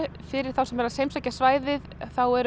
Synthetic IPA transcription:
fɪɾɪɾ̥θawsɛmɛɾasejmsaːjcasvaːjðɪðθawɛɾ

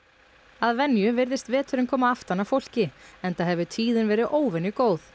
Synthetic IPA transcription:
aðvɛnjʏvɪɾðɪst̪vɛːt̪ʰʏɾɪmkʰɔːmaaft̪anafowl̥cɪɛnt̪aɦɛvʏt̪ʰiːðɪnvɛːɾɪðʔoːwvɛnjʏkoːwθ

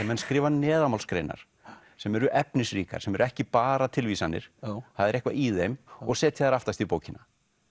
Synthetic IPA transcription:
ɛmɛnskɾɪːvanɛːðamalskɾḛjna̰ɾ̥ | sɛmɛɾʏʔɛpnɪsriːka̰̥sɛmɛɾʏɛhcɪpaːɾat̪ʰɪlvisanːɪ̰ɾ̥haðɛɾɛhkva̰iðejmɔ̰ɣseːt̪ʰɪðaɾaft̪ast̪ipoːwcɪna

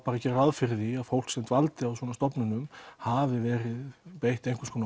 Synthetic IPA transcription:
paɾacɛːɾɾaðfɪɾðiaðfowl̥ksɛmt̪valt̪ɪawsvɔːnast̪ɔpnʏnʏmhaːvɪvɛːɾɪðpejht̪ejŋ̥kʰʏ̥skʰoːn

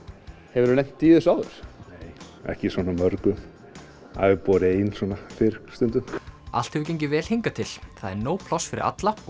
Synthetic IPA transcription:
hɛvɪɾnejm̥t̪ːiːðɪsaːwðɪ̰ɾ̥neːj | ɛ̰hcɪsɔnamœɾkʏm | a̰vɪpɔːɾɪejnsɔnafɪɾst̪ʏnt̪ʏma̰l̥t̪hɛvʏɾcejɲcɪvɛːl̥heŋkat̪ʰɪl̥θaðɛ̰ɾnoːwpʰl̥ɔsfɪɾɪɾʔa̰t̪la

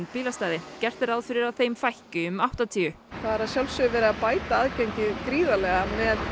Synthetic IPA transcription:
npiːlast̪aːjðɪcɛr̥t̪ɪɾaðfɪɾɪɾaðθeːjmfajhcʏʏmaht̪at̪ʰiːʏ | θaðaɾaðsjalsʏvɛːɾɪapaːjt̪aaːðcaɲcɪðkɾiːðalɛɣamɛð

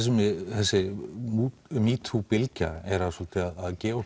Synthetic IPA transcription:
s̬ɪmθɛsːɪu | miːt̪ʰupɪlca̰ɛɾaðsɔlt̪ʰɪaðaðcɛː

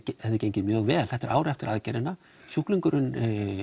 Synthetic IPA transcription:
ɛɪceɲcɪmjœːɣvɛːlθɛht̪ɛɾʔaːwɾɛft̪ɪɾʔaðcɛɾɪnːa | sjuhkliŋkʏɾʏn

